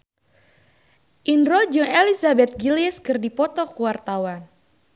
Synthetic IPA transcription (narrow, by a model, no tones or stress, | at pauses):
ʔinɾɔd͡ʒɔŋelisabɛt̪̚ɡiliɛskɨrdipɔt̪ɔkuwart̪awan